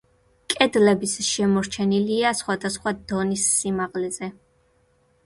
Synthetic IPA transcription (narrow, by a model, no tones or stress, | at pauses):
kʼɛd̪lɛbisʃɛmɔɾt͡ʃʰɛniliasχwad̪asχwad̪̥ɔnisːimaʁlɛzɛ